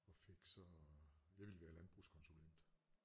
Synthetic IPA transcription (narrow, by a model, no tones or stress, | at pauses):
ɒ̽fe̝ɡ̥sɒ̽jɑ̈ɪʋiləʋæːɐlænb̥ʁuskʰɒ̽nsulen̰d̥